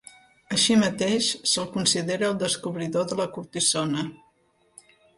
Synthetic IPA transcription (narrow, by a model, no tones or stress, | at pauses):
əʃimət̪eʃsəlˠkunsiðeɾəːlˠd̪əskuβɾiðoðələkuɾt̪izonə